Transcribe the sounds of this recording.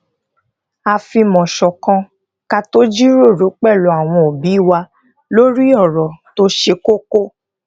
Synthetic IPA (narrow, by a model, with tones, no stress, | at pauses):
a˧fi˧mɔ̃˨ʃɔ˨kã˧ | ka˧to˦d͡ʒi˦ɾo˦˨ɾo˨˦k͡pɛ˦˨lo˨˦a˨w̃ɔ̃˧o˨bi˨˦i˦˨wa˧ | lo˦ɾi˦ɔ˦˨ɾɔ˨to˦ʃe˧ko˦ko˦